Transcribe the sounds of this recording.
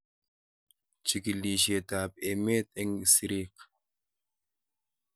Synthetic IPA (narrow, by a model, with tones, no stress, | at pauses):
t͡ʃi˨ki˨li˨ʃe˨t̪aː˨pe˨me˦t̪̚ɛ˦ŋ˨si˨ɾi˦k